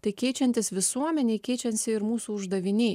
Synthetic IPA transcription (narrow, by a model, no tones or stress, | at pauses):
t̪ɐɪkʲɛɪt͡ʃʲɛnʲt̪ʲɪsʋʲɪsuɔmʲɛnʲɛːkʲɛɪt͡ʃʲɛnʲsʲɪɪɾmuːsuːʊʒd̪ɐʋʲɪnʲeː